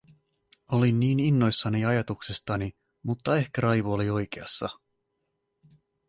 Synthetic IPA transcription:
o̞linːiːninːo̞jsːɑniɑjɑt̪uksest̪ɑni | mut̪ːɑe̞hkæɾɑjʋoolio̞jk̟eɑsːɑ̰

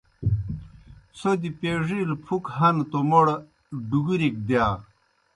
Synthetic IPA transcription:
sod̪ipeʐilpʰukɦɐnt̪omoɽ | ɖuɡuɾik̚d̪jaː

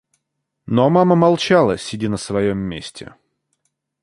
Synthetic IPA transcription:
nomaməmɐlˠt͡ɕalˠəsʲɪdʲinəsvɐjomːʲesʲtʲɪ̰

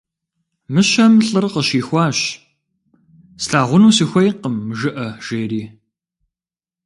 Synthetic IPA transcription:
mɨɕɐmɬʼɨrqəɕiːxʷɑːɕ | sɬaːʁʷʊnuːsɨxʷɔjqəmːʒɨʔɐʒ̥eːriː

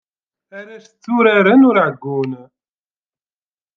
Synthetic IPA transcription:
æɾæst͡s̪ːuɾaɾənʊɾʕɡːun

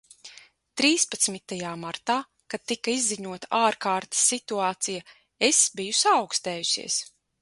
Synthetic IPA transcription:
t̪ɾiːspat̪smit̪ajaːmaɾt̪aː | kad̪̥̚t̪ːikaizːiɲuɔt̪ḁʔaːɾkaːɾt̪i̥sːit̪uaːt̪sija | esbijusawkst̪ɛːjusḭɛːs

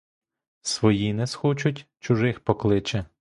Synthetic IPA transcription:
sʋɔjinɛsxɔt͡ʃʊtʲt͡ʃʊʒɪxpɔklˠɪt͡ʃɛ

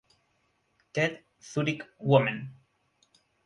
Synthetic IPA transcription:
ted̪ | θuɾikwɔmãn

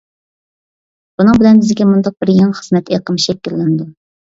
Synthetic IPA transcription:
b̥unɨŋbɪlɛnbɪzɡʲɛmund̪ɑq̚bɪɾjɑŋχəzmɛt̪ʰeqəmʃɛkʲːilːɪnɪd̪u

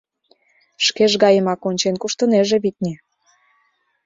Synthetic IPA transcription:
ʃkeʒɣɑjəmɑkonʲt͡ɕenkuʃt̪əneʒĕβit̪̚ʲnʲe

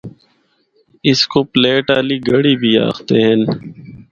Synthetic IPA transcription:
ɪskoːpleːʈaːliːɡəɽiːbʱiːa̰ːxt̪eːɦɛn

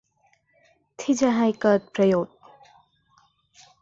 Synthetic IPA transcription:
t̪ʰid͡ʒaɦajkət̪̚pɾɐjot̪̚

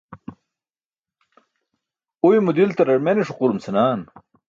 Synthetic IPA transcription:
ujmud̪ilt̪ɐɾɐɾmeneʂuquɾumsenaːn

